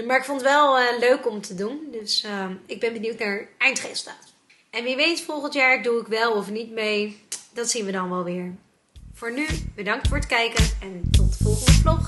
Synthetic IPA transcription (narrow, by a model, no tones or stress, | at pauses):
maːɹɪkfɔntʋɛlˠəløɥkɔmtədundɵsəɪɡ̚bɛnbəniwtnaːɹɛjntχestaːt | ɛnʋiʋejnsfɔlˠχəntjaːɹduɪkʋɛlˠɔfnitmejdɑtsinʋədɑnʋɛlˠʋɪːɹ | vʊːɹnybədɑŋktfʊːɹətkɛjkənɛntɔtəvɔlˠχəndəflɔχ